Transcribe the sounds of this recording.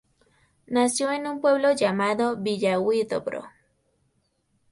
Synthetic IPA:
nasjoenumpwe̞βloʝamaðoβiʝawit̪o̰pɾo̰

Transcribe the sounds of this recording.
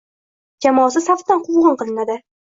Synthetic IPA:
d͡ʒamɒːsɪsaft̪t̪anqʰʊwʁɨnqɨlˠɪnad̪ɪ

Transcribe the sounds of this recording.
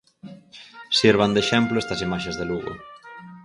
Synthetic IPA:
siɾβ̞and̪eʃɛmploest̪ɐsimaʃezðeluɣo̰

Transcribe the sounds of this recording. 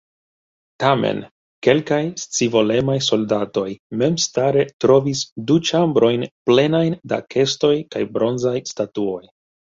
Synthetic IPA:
tamḛn | ke̞lkajst͡sivo̞le̞majso̞ldato̞jme̞mstaɾe̞tɾo̞visdut͡ʃambɾo̞jnple̞najnda̰kʰe̞sto̞jkajbɾo̞nzajstatuo̞j

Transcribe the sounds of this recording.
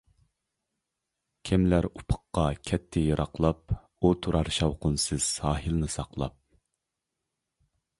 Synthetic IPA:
kʲʰimlæɾupʰə̥qːɑkʲʰɛt̪ʰːɪjɑɾʔɑqlˠɑp̚ | ut̪ʰuɾɑɾʃɑwqʊnsɨz̥sɑːɦɨlnɨsɑqlˠɑ̰p̚

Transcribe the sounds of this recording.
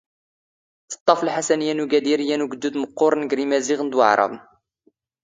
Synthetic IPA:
θə̥t̪ˤːɑfəlħasænjænuɡæd̪iɾijːænuɡəd̪ːud̪məqːʊɾˤnɡɾimæziɣənd̪wa̰ʕɾˤɑ̰ðˤn

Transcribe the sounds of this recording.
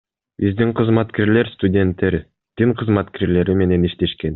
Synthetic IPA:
bizd̪iɴqʰɯzmɑt̪keɾle̞ɾst̪udʲe̞nt̪ːe̞ɾ | d̪̥iɴqʰɯzmɑt̪keɾle̞ɾime̞ne̞niʃt̪e̞ʃke̞n

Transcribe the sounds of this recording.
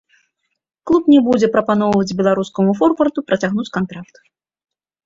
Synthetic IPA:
klˠupnʲɛbud͡zʲɛpɾɐpanɔwvɐd͡zʲbʲɛlˠaɾuskɐmufɔrpɐrt̪upɾɐt͡sʲaɣnut͡sʲkant̪ɾakt̪

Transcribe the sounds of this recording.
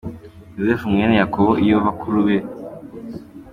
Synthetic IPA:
juzefumŋenejakoβoʔijoβakʰuɾuβe

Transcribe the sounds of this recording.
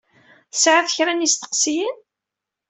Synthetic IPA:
θəsʕaθəçɾænist̪ə̥qsijin

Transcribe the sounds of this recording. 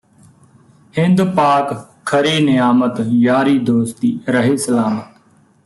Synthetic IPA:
hɪnd̪paːk | kʰːəɾiːnɪjaːmət̪jaːɾiːd̪oːst̪iːɾəɦeːsəlaːmət̪

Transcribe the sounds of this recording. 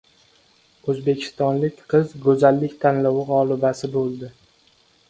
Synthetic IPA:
ɵzbe̞kʲʰɪ̥st̪ɒnlɪkʲqʰɨzɡɵzalːɪkʲt̪ʰanlɒwɪʁɒːlˠɪbasɪbolˠd̪ɪ

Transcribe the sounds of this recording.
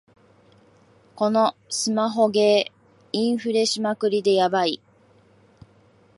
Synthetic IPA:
ko̞no̞sɨmaɦo̞ɡe̞ː | ĩɰ̃ɸɯ̟ɾe̞ɕimakɯ̟ɾʲid̪e̞jabai

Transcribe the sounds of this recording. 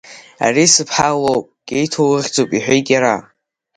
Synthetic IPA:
a̰risɨpʰħalowpʼkʲʼejtʰoɨʁʲd͡zowpʼiħʷᶣejkʲʼaɾa

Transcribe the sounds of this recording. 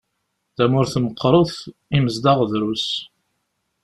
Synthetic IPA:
ðæmʊɾθməqːɾˤoθiməzd̪ɑʁðɾus

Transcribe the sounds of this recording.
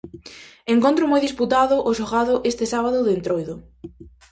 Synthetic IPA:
eŋkont̪ɾʊmojðisput̪aðʊʔoʃoɣaðʊʔest̪ɪsaβaðʊðent̪ɾojðʊ

